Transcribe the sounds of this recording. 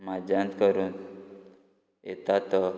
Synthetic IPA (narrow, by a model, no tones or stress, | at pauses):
mad͡ʑãnt̪kəɾuːn | et̪at̪ɔ